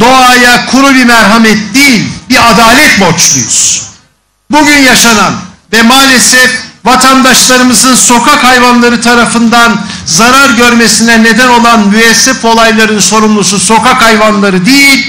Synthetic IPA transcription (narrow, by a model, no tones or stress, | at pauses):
d̪o̞ajakʰuɾubimæɾɦamɛt̪̚d̪ejilʲbiad̪aːlʲɛt̪bot͡ʃlˠujṵz̥ | buɟynjaʃananvɛmaːlʲesɛfvat̪ʰand̪aʃlˠaɾɯmɯzɯnso̞kʰakʰajvanlˠaɾɯt̪ʰaɾafɯnd̪anzaɾaɾɟø̞ɾmesinɛne̞d̪æno̞lˠanmyɛsːɛfo̞lˠajlˠaɾɯnso̞ɾumlˠususo̞kakajvanlˠaɾɯd̪ejilʲ